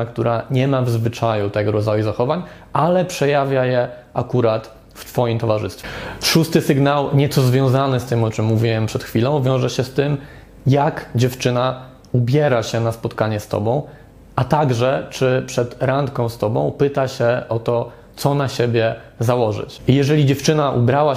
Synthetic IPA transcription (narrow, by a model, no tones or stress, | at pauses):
akt̪uɾʔaɲɛmavzvɘt͡ʂajut̪ɛɡɔɾɔd̪zajuzaxɔvaɲ | alɛpʂɛjavʲjajɛ | akuɾat̪ | ft̪fɔjimt̪ɔvaʐɘst̪fʲɛʂust̪ɘsɘɡnawɲɛt̪sɔzvʲjɔ̃w̃zanɘst̪ɘmɔt͡ʂɘmːuvʲiwɛmpʂɛt̪xfʲilɔ̃w̃vʲjɔ̃w̃ʐɛɕɛst̪ɘm | jakd͡ʑɛft͡ʂɘna | ubʲjɛɾaɕɛnaspɔt̪kaɲɛst̪ɔ̰bɔ̃w̃ | at̪aɡʐɛt͡ʂɘpʂɛt̪ɾant̪kɔ̃w̃st̪ɔbɔ̰̃w̃pɘt̪aɕɛɔt̪ɔ | t̪sɔnaɕebʲjɛzawɔʐɘ̰t͡ɕjɛʐɛlʲid͡ʑɛft͡ʂɘnaʔṵbɾawa